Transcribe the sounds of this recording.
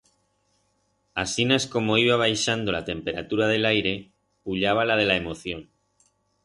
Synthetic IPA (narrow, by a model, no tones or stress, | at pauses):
asinasko̞mo̞iβ̞aβ̞ajʃand̪o̞lat̪e̞mpe̞ɾa̰t̪uɾað̞e̞lajɾe̞ | puʎaβ̞alað̞e̞lae̞mo̞θjo̞n